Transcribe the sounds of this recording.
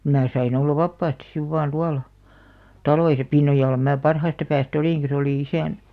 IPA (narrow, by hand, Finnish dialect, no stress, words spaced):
mæː sɑin olːɑ ʋɑpːɑːstis siʋ ʋɑːn tuɑlɑ tɑloisɑ pinːojɑlːɑ mæː pɑrhɑːstɑ pæːstæ oliˑŋki se oliˑ isæˑn